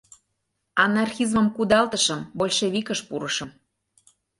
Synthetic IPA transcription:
ɑnɑrxizməmkud̪ɑlt̪əʃəmbolʲʃeβikəʃpuɾəʃə̆m

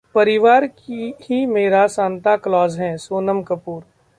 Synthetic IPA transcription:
pɐɾɪʋaːɾkihimeːɾasaːnt̪aklɔːzɦɛ̃soːnəmkəpuːɾ

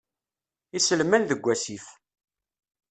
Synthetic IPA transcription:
isəlmænðəɡʷːæsiθ

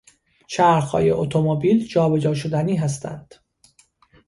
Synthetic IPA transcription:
t͡ʃʰæɾxhɒ̰ːjeʔot̪ʰomobiːld͡ʒɒːbe̞d͡ʒɒːʃod̪æniːɦæs̬t̪ʰæ̰nd̪̥

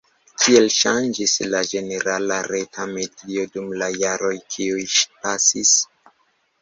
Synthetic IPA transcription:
kʰie̞lʃand͡ʒislad͡ʒe̞ne̞ɾalaɾe̞tʰamedio̞dumlajaɾo̞jkʰiujʃpasis

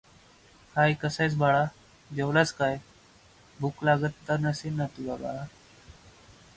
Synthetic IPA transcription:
hajkəsajt͡sbʱaɭa | d͡ʑewlat͡skaj | bʱuklaɡət̪ːənəsenət̪ubaɡa̰a

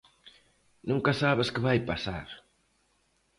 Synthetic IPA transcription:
nũŋkasaβɪskɪβajpasa̰ɾ

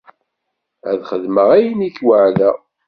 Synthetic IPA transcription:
æ̰ðχəðməʁæjəniçwəʕðæ

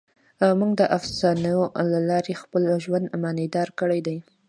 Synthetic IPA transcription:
awmuɡ̚d̪əʔafsɑnajolalɑɾexpəlʒwand̪mɑned̪ɑɾkəɽajd̪aj

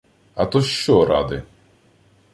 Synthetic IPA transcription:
ɐt̪ɔʃt͡ʃɔɾɑ̰d̪ɪ

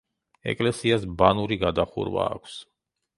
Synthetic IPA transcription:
ɛ̰kʼlɛsiasbanuɾiɡad̪aχṵɾva̰ːkʷʰs

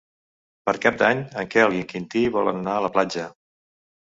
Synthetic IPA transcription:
pəɾkap̚d̪aɲəŋkɛəlˠiŋkint̪iβɔlə̰nənaələplad͡ʒə

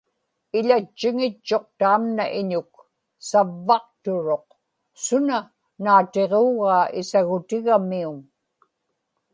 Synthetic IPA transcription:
ɪʎat͡ʃːɪŋɪt͡ʃːo̞q̚t̪aːmnaʔɪɲʊk̚ | savːɑq̚t̪ʊɻo̞q | sʊna | naːt̪eʁoːɣaːɪsaɣʊt̪ɪɣamiuŋ

